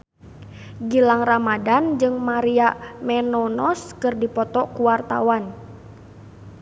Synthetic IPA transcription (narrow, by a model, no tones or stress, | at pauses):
ɡilaŋramadand͡ʒɨŋmaɾiamɛnɔnɔskɨrdipɔt̪ɔkuwart̪a̰wan